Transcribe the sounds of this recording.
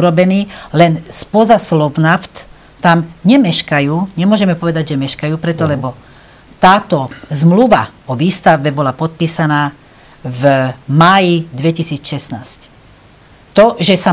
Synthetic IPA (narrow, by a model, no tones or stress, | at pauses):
uɾɔbɛniːlɛnspɔzaslɔʋnaft̪ː | amɲɛmɛʃkajuːɲɛmʊɔʒɛmɛpɔʋɛd̪aɟʒɛmɛʃkajuːpɾɛt̪ɔlɛbɔ | t̪aːt̪ɔzmluʋaɔʋiːst̪aʊbɛbɔlapɔt̪̚piːsanaː | vmaːjid̪ʋɛcisiːt͡sʃɛsnaːsc | t̪ɔʒɛsa